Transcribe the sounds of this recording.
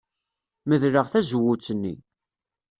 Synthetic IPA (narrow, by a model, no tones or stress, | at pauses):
məðɾəʁθæzəwːʊt͡sːənːḭ